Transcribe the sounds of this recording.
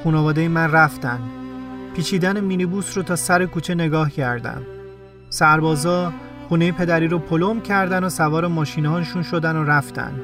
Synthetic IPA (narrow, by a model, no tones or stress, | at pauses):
xuːnɒvɒːd̪ejemænræft̪ænd̪pʰiːt͡ʃʰiːd̪ænemiːnibuːsɾot̪ʰɒːsæɾekuːt͡ʃʰe̞ne̞ɡɒːhcʰæɾd̪æ̰m | sæɾbɒːzɒː | xuːne̞jepʰe̞d̪æɾiːɾopʰolomcʰæɾd̪ænosævɒːɾemɒːʃiːnɒːnʃunʃo̞d̪ænoɾæft̪æ̰nd̪